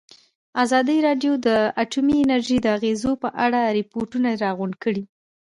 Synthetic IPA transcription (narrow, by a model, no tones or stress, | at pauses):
azɑd̪iɾɑɖjod̪əaʈumiɪnaɾʒid̪əaɣezopəʔaɽaɾɪpoɾʈunaɾɑɣʊɳkəɽi